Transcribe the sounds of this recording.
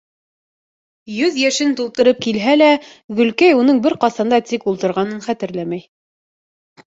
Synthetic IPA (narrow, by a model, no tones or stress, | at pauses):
jɵðjæʃɘnt̪ulˠt̪ɤ̆ɾɤp̚kilɦælæɡɵ̆lkæjunɤɴbɘɾqɑsɑnd̪ɑt̪ikulˠt̪ɤ̆ɾʁɑnɤnχæt̪ɘ̆ɾlæmæj